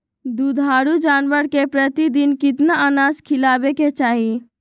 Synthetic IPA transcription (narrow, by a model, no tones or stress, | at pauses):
d̪ud̪ʱaɾud͡ʒanʋəɾkepɾət̪id̪inkɪt̪naanaskʰilabeket͡ʃaːɦi